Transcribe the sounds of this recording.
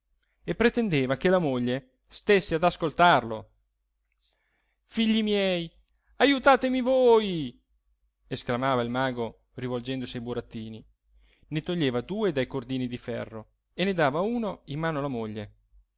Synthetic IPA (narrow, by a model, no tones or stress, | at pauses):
epːɾet̪end̪eːvakelamoʎːe | st̪esːead̪askolt̪arlo̰ | fiʎːimjɛj | ajut̪aːt̪emivoːj | esklamaːvailmaːɡo | rivold͡ʒɛnd̪osiajbuɾat̪ːiːni | net̪oʎːeːvad̪uːed̪ajkord̪iːnid̪ifɛ̰rːo | ened̪aːvauːnoimːaːnoalamoʎːe